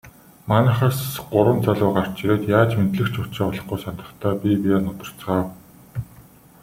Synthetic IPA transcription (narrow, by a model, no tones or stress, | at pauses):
manə̆χăːsɢʊɾwə̆nt͡saɮʊːɢar̥t͡ɕiɾeːt̪jaːt͡ɕment̪ɮɘ̆kt͡ɕʰʊt͡ɕeːɔɮɞ̆χɡujsant̪ə̆χt̪ʰæːpʲipiaːnʊt̪ə̆r̥t͡sʁaːw